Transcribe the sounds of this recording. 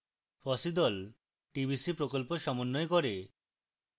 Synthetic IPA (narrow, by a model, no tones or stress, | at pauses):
fɔsid̪ɔl | ʈibʱisipɾokolpoʃɔmonːojkoɾe